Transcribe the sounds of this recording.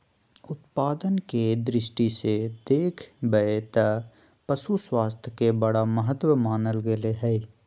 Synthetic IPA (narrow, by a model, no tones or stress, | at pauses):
ʊt̪paːd̪ənked̪ɾɪʃʈised̪eːkʰbəet̪ə | pəʃuswaːst̪ʰkebɐɽaməɦət̪wəmaːnəlɡɪleɦɛ